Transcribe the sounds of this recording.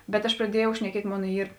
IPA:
bʲɛt ɐʃ prɐˈdʲiɛjɛʊ ʃʲnʲɛˈkʲiɛtʲ ˈmoːn ˈiːr

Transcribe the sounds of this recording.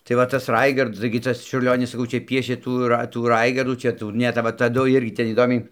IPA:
tɐɪ ˈʋɐ tɐs ˈrɐɪɡɐrt tɐɪɡʲɪ ˈtɐs t͡ʃʲʊrʲˈlʲoːnʲɪs sɐˈkɐʊ ˈt͡ʃʲɛ ˈpʲiɛʃʲeː ˈtuː rɐ tuː ˈrɐɪɡɐrduː ˈt͡ʃʲɛ ˈtuː ˈnʲɛ tɐ ˈʋɐ tɐˈdʊ ˈɪrʲɡʲɪ ˈtʲɛn iːˈdoːmʲɛɪ

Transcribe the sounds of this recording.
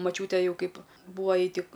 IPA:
mɐˈt͡ʃʲuːtʲeː ˈjɛʊ ˈkɐɪp ˈbuːʋoː ˈjɛɪ ˈtʲɪk

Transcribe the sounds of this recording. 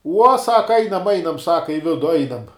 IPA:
uɔ ˈsɑːkɐ ˈɐɪnɐm ˈɐɪnɐm ˈsɑːkɐ ɪ ˈʋʲɪdʊ ˈɐɪnɐm

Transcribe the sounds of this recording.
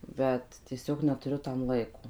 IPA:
ˈbʲɛt tʲiɛˈsʲoːk nʲɛtʊˈrʲʊ tɐm ˈlˠɐɪkoː

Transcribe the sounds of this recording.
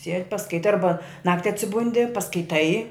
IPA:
sʲiɛtʲ pɐskɐɪˈtɐɪ ˈɐrbɐ ˈnɑːktʲɪ ɐtʲsʲɪˈbʊnʲdʲɪ pɐskɐɪˈtɐɪ

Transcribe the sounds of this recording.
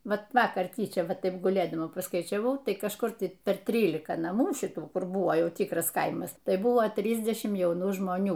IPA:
ˈʋɐt ˈʋɑːkɐr ˈtʲiːt͡ʃʲɛ ˈʋɐt ˈtɐɪp ɡʊˈlʲeːdɐmɐ pɐskɐɪt͡ʃʲɛˈʋɐʊ ˈtɐɪ kɐʃˈkʊr ˈtɐɪ pʲɛr ˈtʲrʲiːlʲɪkɐ nɐˈmuː ˈʃʲɪtuː ˈkʊr ˈbʊʋoː ˈjɛʊ ˈtʲiːkrɐs ˈkɐɪmɐs ˈtɐɪ ˈbʊʋoː ˈtʲrʲiːzʲdʲɛʃʲɪm jɛʊˈnuː ʒmoːˈnʲuː

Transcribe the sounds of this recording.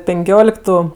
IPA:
pʲɛŋʲˈkʲoːlʲɪktʊ

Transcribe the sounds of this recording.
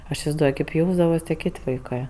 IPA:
ɐʃ ɪsʲɪʋɐɪzˈduɔj kɐɪp ˈjɛʊzdɐʋɐs tʲiɛ ˈkʲeːtʲ ʋɐɪˈkɜ

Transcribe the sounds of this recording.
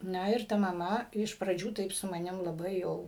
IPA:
ˈnɐ ɪr ˈtɐ mɐˈmɐ ɪʃ prɐˈd͡ʒʲuː ˈtɐɪp sʊ mɐˈnʲɪm lˠɐˈbɐɪ jɛʊ

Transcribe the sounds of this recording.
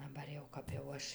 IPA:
dɐˈbɐr jɛʊ ˈkɐp jɛʊ ˈɐʃ

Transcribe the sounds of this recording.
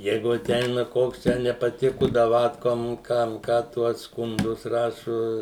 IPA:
ˈjɛɪɡʊ ɐˈtʲɛɪnɐ ˈkoːks ˈtʲæː nʲɛpɐˈtʲɪkʊ dɐˈʋɑːtkoːm ˈkɐm ˈkɑː ˈtuɔ skʊnˈdʊs ˈrɑːʃʊ

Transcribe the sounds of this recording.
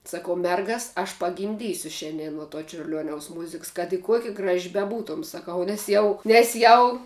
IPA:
sɐˈkɐʊ ˈmʲɛrɡɐs ɐʃ pɐɡʲɪmʲˈdʲiːsʲʊ ˈʃʲɛnʲdʲiɛn nuɔ toː t͡ʃʲʊrʲˈlʲuɔnʲɛʊs ˈmʊzʲɪks kɐt ɪ ˈkuɔkʲɛ ˈɡrɑːʒʲɪ bʲɛˈbuːtoːm sɐˈkɐʊ nʲɛs ˈjɛʊ nʲɛs ˈjɛʊ

